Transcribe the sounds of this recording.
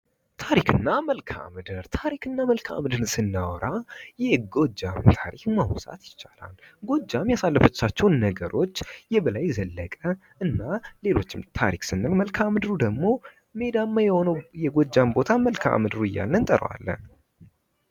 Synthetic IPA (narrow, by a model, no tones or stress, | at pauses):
t̪ʰaɾikʰɨnːaməlkʰa̰mɨd̪ɨɾt̪ʰaɾikɨnːaməlkʰa̰mɨd̪ɨnsɨnːawɔɾʔajɛɡo̞d͡ʒa̰mt̪ʰaɾikmawsa̰t̪jɪt͡ʃːala̰lɡo̞d͡ʒːamjasalːəfət͡ʃːat͡ʃːɛwnnəɡəɾʔo̞t͡ʃːjɛbəlajzəlːəkʼə | ɨnːale̞lo̞̰t͡ʃːɪmt̪ʰa̰ɾiksɨnːɨlməlkʰamɨd̪ɨɾud̪əɡmo̞ | me̞d̪amːajɛhonəwjɛɡo̞d͡ʒːambo̞t̪ʰaməlkʰa̰mɨd̪ɨɾuɨjːa̰lːənt̪ʼəɾwa̰lːə̰n